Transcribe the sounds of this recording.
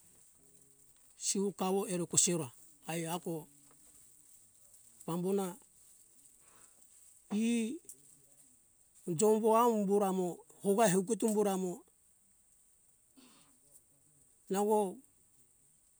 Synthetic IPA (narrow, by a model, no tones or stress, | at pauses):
siukaβoeɾokoseɾoa | ajako | bambona | i | d͡ʒomboamumbuɾamo | hoɡaeɦeuk̬et̬umbuɾamo | naɡo